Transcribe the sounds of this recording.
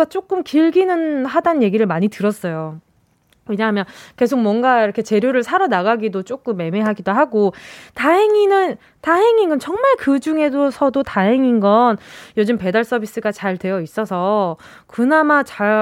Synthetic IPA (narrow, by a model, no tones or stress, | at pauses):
at͡ɕ͈ok͈ɯmkiɭɡinɯnɦadannje̞ɡiɾɯɭmaɲitɯɾʌs͈ʌjo | weɲaɦamjʌnke̞sʰok̚mwʌnɡaiɾʌkʰe̞t͡ɕe̞ɾjoɾɯɭsʰaɾʌnaɡaɡidot͡ɕ͈ok͈ɯmːe̞me̞ɦaɡidoɦaɡotaɦe̞ŋinɯn | taɦe̞ŋinɡʌnt͡ɕʌŋmaɭkɯd͡ʑuŋe̞dosʰʌdotaɦe̞ŋinɡʌnjʌd͡ʑɯmpe̞daɭs͈ʌbis͈ɯɡat͡ɕaɭtwe̞jʌis͈ʌsʰʌ | kɯnamat͡ɕa